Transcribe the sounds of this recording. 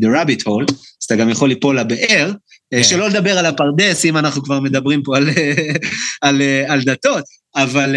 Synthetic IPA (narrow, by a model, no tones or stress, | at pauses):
d̪eʁabit̪ho̞lazt̪aɡamjaχo̞lːipo̞labeʔeʁ | ʃe̞lo̞led̪abe̞ʁalapaʁd̪e̞simanaχnukvaʁme̞d̪abʁimpo̞al | aleald̪at̪o̞t̪ | aval